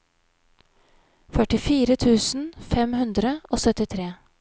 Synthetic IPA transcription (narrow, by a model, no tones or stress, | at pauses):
fœʈɪfiːɾət̪ʰʉːsn̩fɛmhʉnd̪ɾəʔoːsœt̪ɪt̪ʰɾeː